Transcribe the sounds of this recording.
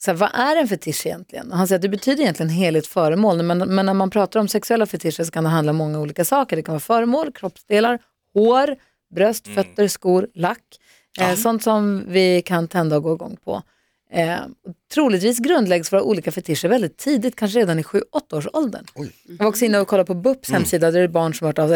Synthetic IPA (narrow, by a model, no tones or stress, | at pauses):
sɛva̰ʔæɾɛnfɛt̪ʰɪʂːjɛ̰nt̪lɪɡə̰nɔɦansɛjːɾt̪̚d̪ɛbɛt̪ʰyːd̪əɾjɛnt̪lɪɡənɦeːlɪt̪fœːɾəmoːlmɛnmɛnːæmanpʰɾɑːt̪aɾɔmsɛksɵɛlːafœʈ̪ʰɪʂəʂɔkʰand̪ɛɦand̪laɔmːɔŋːauːliːkasɑːkəɖɛkʰanvɑːfœːɾəmoːlkʰɾɔpsd̪eːlaɾ | hoːɾ | bɾœst̪fœt̪ːəɾskuːɾlakː | sɔnt̪sɔmvɪkʰant̪ʰɛnd̪aɔɡoːɪɡɔ̰ŋːpʰɔ̰ | ɔt̪ʰɾuːlɪt̪viːs̬ɡɾɵnd̪lɛɡsvoːɾaʔṵːliːkafɛt̪ʰɪʂːəɾvɛld̪ɪt̪ʰːiːd̪ɪt̪̚kʰanʂ̬əɾeːd̪anɪɧʉ̟ːʔɔt̪ːaoːʂɔld̪ə̰ɳ | vɔksɔɪnːanvɪkʰɔlːaɾpʰɔbɵpːshɛmsiːd̪ad̪ɛɛbɑːɳʂɔmhœːʈɑː